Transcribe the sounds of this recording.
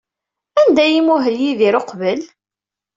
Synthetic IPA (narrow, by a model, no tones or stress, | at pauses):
ænd̪æjimuɦəljiðiɾoqβəl